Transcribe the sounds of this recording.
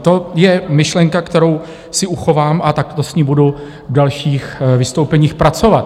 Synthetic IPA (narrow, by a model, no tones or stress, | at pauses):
t̪o̞jɛmɪʃlɛŋkakt̪ɛɾo̞w | sɪʔuxo̞vaːmat̪ak̚t̪osɲiːmbudu | vdalʃiːxvɪst̪owpɛɲiːxpɾat͡so̞vat̪